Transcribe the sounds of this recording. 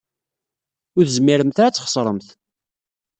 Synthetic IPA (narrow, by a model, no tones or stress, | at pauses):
ʊθzəmːiɾəmθaɾæt͡sːχə̥sˤɾˤəmθ